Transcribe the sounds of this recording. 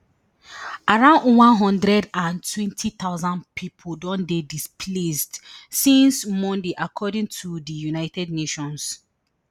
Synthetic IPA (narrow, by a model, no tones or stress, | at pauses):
aɹãʊ̃ndwãnɦɔ̃ndɹɛdãntʰwɛ̃ntʰit̪aʊzãnpʰipʰodɔ̃ndedispʰlesdsĩnsmɔ̃ndeʔakʰɔdĩŋtʰudəjunaɪtʰɛd̚neʃɔ̃ns